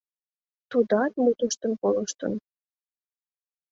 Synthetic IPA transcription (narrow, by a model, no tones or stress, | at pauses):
t̪ud̪ɑt̪mut̪əʃt̪ənkoləʃt̪ə̰n